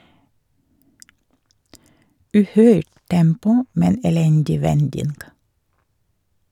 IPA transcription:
ˈʉːˌhœʏʈ ˈtɛmpʊ ˈmɛn ɛˈlɛndɪ ˈʋɛndɪnɡ

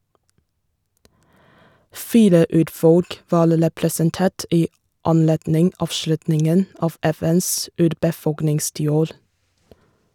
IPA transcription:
ˈfiːɾə ˈʉːɾˌfɔlk ˈʋɑːɾ ɾɛpɾɛsənˈteːʈ ˈiː ɑnˈleːdnɪŋ ˈɑːʋˌʃlʉtnɪŋən ˈɑːʋ ˈɛˌfɛns ˈʉːɾbəˌfɔlknɪŋstiːˌoːɾ

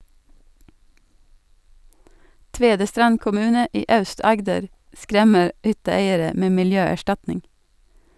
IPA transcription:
ˈtʋeːdəstɾɑn kʊˈmʉːnə ˈiː ˈɑʉˌstɑɡdəɾ ˈskɾɛmə ˈhʏtəˌeɪəɾə ˈmeː mɪlˈjøːæˌʃtɑtnɪŋ

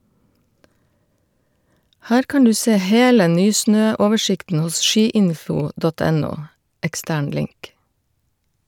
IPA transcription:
ˈhæːɾ ˈkɑːn ˈdʉː ˈseː ˈheːlə ˈnyːˌsnøː ˈoːʋəˌʃɪktn̩ ˈhʊs ˈʃiːˌɪnfʊ ˈdɔt ˈɛˌnuː ɛkˈstæːɳ ˈlɪŋk

